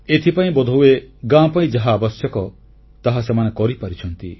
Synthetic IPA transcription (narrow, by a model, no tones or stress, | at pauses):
et̪ʰipaĩbɔd̪ʱoweɡãpaĩd͡ʒaɦaːbɔsjɔkɔ | t̪aɦasemanekɔɾipaɾit͡ʃʰɔnt̪ḭ